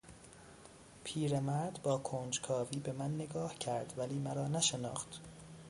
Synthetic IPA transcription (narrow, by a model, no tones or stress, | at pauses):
pʰiːɾemæɾd̪bɒːkʰoːnd͡ʒkʰɒːviːbe̞mænːeɡɒːhcʰæɾd̪̥væliːmæɾɒːnæʃenɒ̰ːxt̪